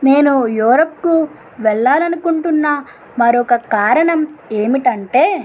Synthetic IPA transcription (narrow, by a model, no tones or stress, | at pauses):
ne̞ːnujuːɾoːp̚ku | ʋɛɭːaːlɐnukuɳʈunːɐ | mɐɾɔkɐkaːɾɐɳɐme̞ːmiʈɐɳʈe̞ː